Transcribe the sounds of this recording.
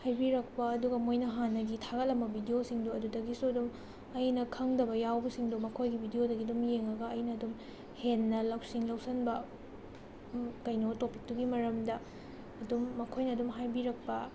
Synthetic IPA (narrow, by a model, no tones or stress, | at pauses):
hajbiɾɐk̚pɐɐduɡɐmojnɐɦanːɐɡitʰaɡɐt̚lɐmbɐbʱidijosiŋduɐdudɐɡisuɐdum | ɐjnɐkʰɐŋdɐbɐjawbɐsiŋdumɐkʰojɡibʱidijodɐɡidumjeŋɐɡɐɐjnɐːdum | henːɐlɐwsiŋlɐwsɐnbɐ | kɐjnotopik̚duɡimɐɾɐmdɐː | dumːɐkʰojnɐːdumɦajbiɾɐk̚pɐ